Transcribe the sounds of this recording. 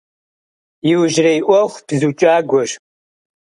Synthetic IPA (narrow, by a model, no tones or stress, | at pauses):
jɪwʒrɐjʔʷɔχʷb̥zut͡ʃʼaːɡʷɔʒ